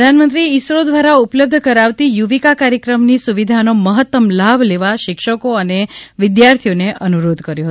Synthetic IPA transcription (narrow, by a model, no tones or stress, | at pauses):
d̪ʱanmənt̪ɾiːsɾod̪ʋaɾaupləb̚d̪ʱəkəɾaʋt̪ijuʋikakaɾjəkɾəmnisuʋid̪ʱanoməɦət̪ːəmlabʱleʋaʃɪkʃəkoəneʋɪd̪jaɾt̪ʰijoneʔənuɾod̪ʱkəɾjõɦ